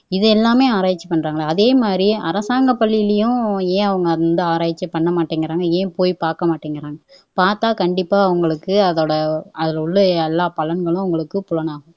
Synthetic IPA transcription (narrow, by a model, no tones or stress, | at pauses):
ɪðɯɛlːaːmeːaːɾaːjɪt͡ʃːɐ̥pːɐɳːɾaːŋɡɐɭɐːðeːmaːd̪ɾiɐ̰ɾɐsaːŋɡɐpːɐɭːɪɪlɐjʊ̃ẽːɐʋɐŋɡɐnd̪ɯaːɾaːʋɪt͡ʃːɐpːɐɳːɐmaːʈːiːŋɡɪɾaːŋɡɐẽːpoːjpaːɾkɐmaːʈːiːŋɡɪɾaːŋɡɐ | paːɾt̪aːkɐɳɖɪpːaːɐʋɐŋɡɐɭɯkːɯɐðoːɽɐɐðɪlʊɭːɐɛlːaːpɐlɐnɡɐɭʊ̃ɐʋɐŋɡɐɭɯkːɯpʊlɐnaːɣʊ̃